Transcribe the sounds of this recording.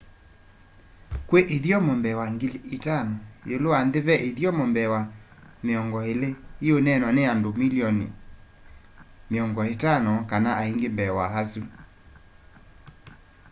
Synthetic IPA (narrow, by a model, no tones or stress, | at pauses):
kweʔeðjɔmɔmbɛwaŋɡletanɔjeloandeβɛʔeðjɔmɔmbɛwa | meɔŋɡɔeleionɛnɔneandomiliɔnḭ | meɔŋɡɔetanɔkanaʔaiŋɡembɛwaɦasu